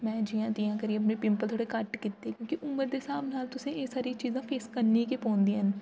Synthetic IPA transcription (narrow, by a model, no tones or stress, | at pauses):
mɛ̃ːd͡ʒiːjãːt̪ijãːkəɾiːəp̬neːpɪ̃mpəlt̪ʰoːɽekəʈkɪt̪ːeːkjõːkiʔʊmːəɾd̪eːsaːmnaːlt̪ʊsẽːeːsaːɾiːt͡ʃiːzãːpʰeːskəɾniːkepɔ̃ːnd̪ĩːɦən